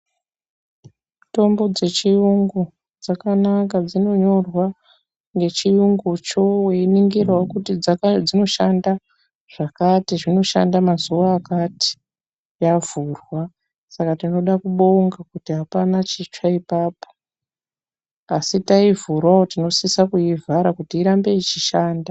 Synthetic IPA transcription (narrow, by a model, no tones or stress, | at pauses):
to̞mbo̞d͡ze̞t͡ʃijuŋɡu | d͡zakanakad͡zino̞ɲo̞rwa | ŋɡe̞t͡ʃijuŋɡut͡ʃo̞we̞iniŋɡirwakutid͡zd͡zino̞ʃanda | ʐ̥akatiʐino̞ʃa̰ndamazuwaːkati̥ | javurwa | sakatino̞ɗakuɓoŋɡakutiɦapanat͡ʃit͡ʂaipaːpo | asitaivurwaotino̞sisakujivʱaɾakutiːɾambe̞it͡ʃiʃaːnda